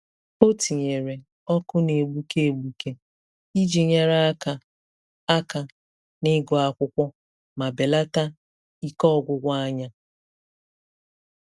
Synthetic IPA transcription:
o˦ti˨ɲe˨ɾe˨ | ɔ˦kʊ˦ne˨ɡ͡bu˦ke˦e˨ɡ͡bu˨ke˦ | i˦d͡ʒi˨ɲa˨ɾa˦ka˨ | a˦ka˨ | nɪ˦ɡɔ˨a˨kʷʊ˦kʷɔ˦ | ma˨be˨la˦ta˦ | i˦kɔ˦˨ɡʷʊ˨ɡʷa˦a˦ɲa˦

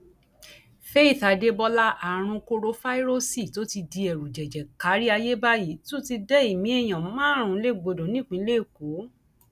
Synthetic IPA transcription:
fe˦i˦˨θa˨˦de˧bɔ˧la˦ʔa˨ɾ̃ũ˧ko˧ɾo˧fa˦i˦ɾo˦si˦˨to˨˦ti˧di˧ɛ˨ɾu˨d͡ʒɛ˨d͡ʒɛ˨ka˨˦ɾi˦a˧je˦ba˦ji˨˦to˦ti˧dɛ˦i˦˨mĩ˨˦ɛ˦˨j̃ã˨˦mãː˦ɾ̃ũ˨˦le˦˨ɡ͡bo˧dõ˨˦nĩ˦k͡pĩ˧˦le˦˨ko˨˦

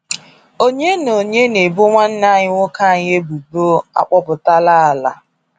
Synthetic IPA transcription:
o˦ɲe˦no˨ɲe˦ne˨bo˦ŋʷa˦n̩˦na˦˨ɲɪ˦ŋʷʊ˦ka˦a˨ɲ˦e˦bu˨bo˦a̰˦k͡pɔ˦pʊ˨ta˦la˦a˨la̰˨

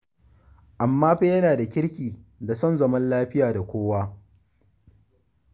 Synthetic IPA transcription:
ʔa˨mːaː˦ɸe˦jɐ˦naː˨da˨kʲɪ˦ɽkʲiː˨da˨sɔ˦˨nzɐ˦mɐ˦nlaː˦ɸɪ˦jaː˨da˨kʷoː˦waː˦

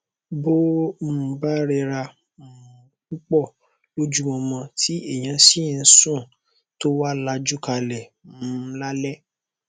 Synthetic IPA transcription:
bo˦˨ba˦ɾɛ˧ɾa˧˨ | k͡pu˦k͡pɔ˦˨ | lo˦d͡ʒu˦wɔ̃˧mɔ̃˧ti˦e˦˨j̃ã˨˧˦si˦˨n̩˦sũ˦˨ | to˦wa˦la˧d͡ʒu˦ka˧lɛ˨mũ˦la˦lɛ˦

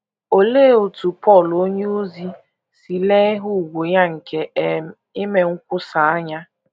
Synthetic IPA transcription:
o˨le˦˨o˨tu˨pɔ˦˨lo˦ɲe˦o˦zi˦ | si˨le˦ɦu˦˨ɡʷo˨ja˦ŋ̩˨ke˨e˨˦ | ɪ˦me˨ŋ̩˦kʷʊ˦sa˨a˦ɲa˦

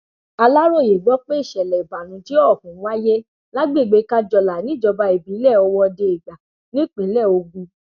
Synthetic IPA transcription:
a˧la˦ɾo˦˨je˨ɡ͡bɔ˨˦k͡pe˦i˦˨ʃɛ˨lɛ˨ba˨nũ˨˦ti˨˦ɔ˦˨kũ˨˦wa˦je˦ | la˦ɡ͡be˦˨ɡ͡be˨˧˦ka˦d͡ʒɔ˧la˨nĩ˦d͡ʒɔ˧ba˧i˨bi˨˦lɛ˦˨ɔ˧wɔ˧de˧e˨ɡa˨ | nĩ˦˨k͡pĩ˨˦lɛ˦˨o˧ɡũ˧

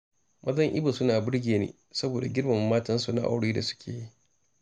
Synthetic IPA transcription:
mʔɐ˦zɐ˦ŋʔɪ̰˦ba˨sʊ˦naː˨bʊ˦ɽɡʲeː˨nḛː˦ | sɐ˦boː˨da˨ɡʲɪ˦ɽmɐ˨mːaː˦tɐ˦nsu˨na̰˦ʔa̰˦wɽeː˦da˨sʊ̥˦kʲʰeː˨ji˦

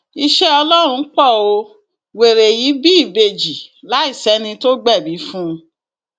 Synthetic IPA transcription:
i˧ʃɛ˦ɔ˧lɔ˦ɾ̃ũ˧˦k͡pɔ˦˨o˧ | we˨ɾe˨ji˨˦bi˦i˦˨be˧d͡ʒi˨la˨˦i˦˨sɛ˨˦nĩ˧to˦ɡ͡bɛ˦˨bi˨˦fũ˦˧

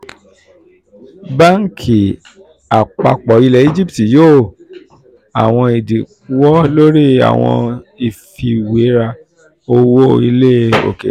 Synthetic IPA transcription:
ba˦ŋ̩˨kʰi˨ | a˨k͡pa̰˧k͡pɔ˨i˧lɛ˧˦i˦d͡ʒi˦pti˨joː˦˨ | a˨w̃ɔ̃˧i˨di˨˦ | wɔ˦lo˦ɾi˦a̰˨w̃ɔ̰̃˧i˨fi˧we˨˦ɾa˧ | o˧wo˦˨i˧le˦o̰˨kḛ˨

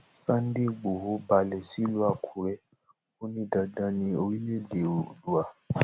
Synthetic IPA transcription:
sã˦n̩˦de˦˨ɡ͡bo˨ɦo˦ba˧lɛ˧˨si˦lu˦a˦˨kʰu˨˦ɾɛ˦ | o˦nĩ˦da˧dã˨˦nĩ˧o˧ɾi˦le˦˨de˨o˨du˨a˧˨

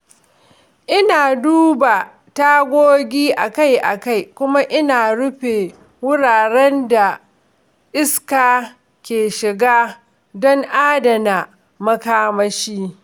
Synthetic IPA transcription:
ʔɪ˦naː˨duː˦ba˨ | taː˦ɡʷoː˦ɡʲiː˦ʔa˨ka˦jʔa̰˨ka˦˨jkʷʊ˦ma˦ʔɪ˦naː˨ɽʊ˦ɸe˨ | wʊ˦ɽaː˨ɽɛ˦nda˨ | ʔɪ˦skaː˨ | kʲeː˨ʃɪ˨ɡaː˦ | dɔ˦ŋʔaː˦dɐ˨na˨ | mɐ˦kaː˦mɐ˦ʃiː˦

